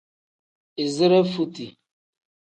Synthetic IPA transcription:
i˨zə˦ɾə˦fu˦ti˨

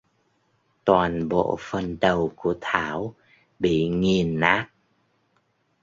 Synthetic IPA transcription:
t̪waː˨˩nɓo̰˧˨fə˨˩nɗə˨˩wku˧˩ət̪ʰaː˧˦w | ɓḭ˧˨ŋi˨˩ənːaː˦˥k̚

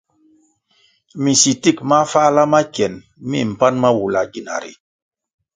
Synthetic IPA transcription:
mi˨si˨ti˦kma˦fa˦la˦ma˦cɛ˨n | mḭ˦˨m̩˨pa˦nma˦wu˨la˨ɡi˦na̰˨ɾḭ˨

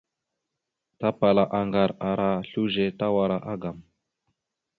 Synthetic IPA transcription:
t̪a˦pa˨la˨ʔa˨ŋɡa˨ɾa˨ɾa˦ɬu˦ʒe˨t̪a˦wa˨ɾa˨ʔa˦ɡa˨m

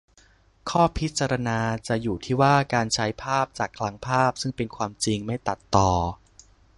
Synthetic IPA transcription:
kʰɔː˥˩pʰi˦˥t̪̚t͡ɕa˧ɾa˧naː˧t͡ɕa˨˩juː˨˩t̪ʰiː˥˩waː˥˩kaː˧nt͡ɕʰa˦˥jpʰaː˥˩p̚t͡ɕaː˨˩kʰla˦˥ŋpʰaː˥˩p̚sɯ˥˩ŋpe˧nkʰwaː˧mt͡ɕi˧ŋma˥˩jt̪a˨˩t̪ːɔː˨˩

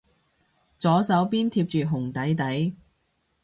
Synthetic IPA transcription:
t͡sɔː˨˥sɐ˨˥wpiː˥nt̪ʰiː˧p̚t͡ʃyː˨ɦʊ˨˩ŋt̪ɐ˨˥jt̪ɐ˨˥j

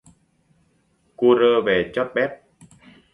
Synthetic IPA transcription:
ku˧ɾəː˧ve˨˩t͡ɕɔ˦˥t̚ɓɛ˦˥t̚

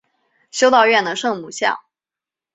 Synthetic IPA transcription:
ɕjo˥ʊt̪ɑ˥˧ʊɥɛ˥˩nd̪ə˩ʂɤ˥˧ŋmu˨˩ɕjɑ̰˥˩ŋ

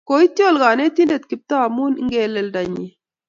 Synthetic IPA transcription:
ko˨˦i˦t̪ːi˦o˦˨lɡa˨ne˦t̪i˦nde˨t̪̚ki˨p̚t̪aː˦˨mu˦n˦ŋɡe˦˨lɛ˨lda˨ɲi˨

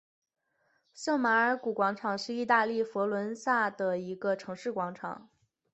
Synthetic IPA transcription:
sɤ˥˩ŋma˧˥ə˞˧˥ku˨˩kwɑ˧˥ŋʈ͡ʂʰɑ˨˩ŋʂɻ̩˥˧i˥˧t̪a˥˧li˥˩fɔ˧˥lwə˧˥nsa˥˩d̪ə˩i˧˥ɡə˧ʈ͡ʂʰɤ˧˥ŋʂɻ̩˥˩kwɑ˧˥ŋʈ͡ʂʰɑ̰˨˩˦ŋ

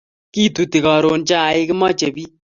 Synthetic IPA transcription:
ki˦tu˨ti˨kɔ˨ɾo˨nt͡ʃaː˦˨ɪ˦kɪ˦mɔ˦t͡ʃe˨bi˦

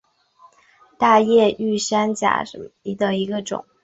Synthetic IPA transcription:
t̪a˥˧jɛ˥˧y˥˩ʂa˥nt͡ɕja̰˨˩ʂə̰˧˥i˥d̪ə˧i˧˥ɡə˧ʈ͡ʂʊ̰˨˩˦ŋ

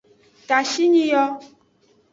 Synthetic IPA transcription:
ka˨ʃi˦ɲĩ˦jɔ˦

